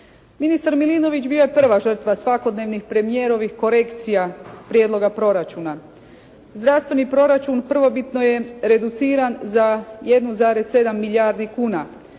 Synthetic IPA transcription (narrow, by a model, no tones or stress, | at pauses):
minist̪aɾmilino̞ʋit͡ɕbijo̞je̞pr̩ʋaʒr̩t̪ʋasʋako̞d̪neʋnixpɾe̞mije̞ɾo̞ʋixko̞ɾe̞kt̪sijapɾjed̪lo̞ɡapɾo̞ɾat͡ʃuna | zd̪ɾaʋst̪ʋe̞nipɾo̞ɾat͡ʃunpr̩ʋo̞bit̪no̞je̞ɾe̞d̪ut̪siːɾanzaje̞d̪nuzaːɾe̞sːe̞d̪amːiʎʲaːɾd̪ikuːna